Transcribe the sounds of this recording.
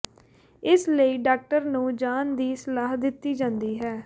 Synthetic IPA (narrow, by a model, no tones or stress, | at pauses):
ɪsləiːɖaːk̚ʈəɾnũːd͡ʒaːnd̪iːsəlaːɦd̪ɪt̪ːiːd͡ʒãːnd̪iːɦɛː